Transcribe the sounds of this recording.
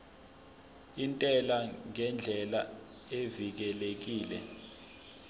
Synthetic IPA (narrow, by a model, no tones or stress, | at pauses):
intʼɛlaŋɛnd͡ɮʱɛla | evik̬ɛlek̬iːlɛ̰